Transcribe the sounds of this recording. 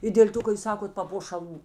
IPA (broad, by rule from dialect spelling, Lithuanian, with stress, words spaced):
ɪ dʲeːlʲ ˈtʊ kɐ juːs ˈsɑːkoːt pɐpoːʃɐˈlˠuː